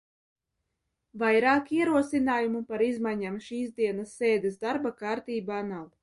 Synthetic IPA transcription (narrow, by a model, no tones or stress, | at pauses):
vajɾaːkiɛɾuɔsinaːjumupaɾizmajɲamʃiːzd̪iɛnasːeːd̪esd̪aɾbakaːɾt̪iːbanal